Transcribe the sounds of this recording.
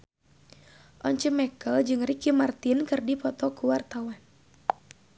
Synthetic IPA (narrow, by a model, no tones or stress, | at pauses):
ʔɔɲt͡ʃəmɛkəld͡ʒɨŋrikimart̪inkɨrdipɔt̪ɔkuwart̪awan